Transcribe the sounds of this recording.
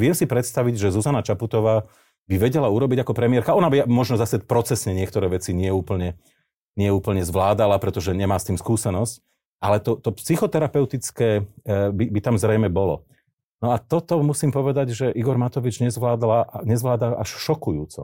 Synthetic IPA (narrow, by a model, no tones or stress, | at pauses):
ʋɪɛmsipɾɛt̪st̪aʋiɟʒɛzuzanat͡ʃaput̪ɔʋaː | biʋɛɟɛlauɾɔbiɟakɔpɾɛmɪjɛɾkaɔnabiamɔʒnɔzasɛpɾɔt͡sɛsɲɛɲɪɛkt̪ɔɾɛːʋɛt͡siɲɪɛuːpl̩ɲɛ | ɲɪɛuːpl̩ɲɛzʋlaːd̪alapɾɛt̪ɔʒɛɲɛmaːst̪iːmskuːsɛnɔsc | ʔalɛt̪ɔt̪ɔpsixɔt̪ɛɾapɛʊt̪it͡skɛːbibit̪amzɾɛjmɛbɔlɔ̰ | nɔat̪ɔt̪ɔmusiːmpɔʋɛd̪aɟʒɛʔiɡɔɾmat̪ɔʋid͡ʒɲɛzʋlaːd̪laɲɛzʋlaːd̪aʔaʃʃɔkujuːt͡sɔ̰